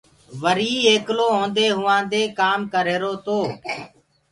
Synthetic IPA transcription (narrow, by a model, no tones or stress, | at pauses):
ʋəɾiːeːkloːɦõːnd̪eːɦʊːãːd̪eːkaːmkəɾeːɾoːt̪oː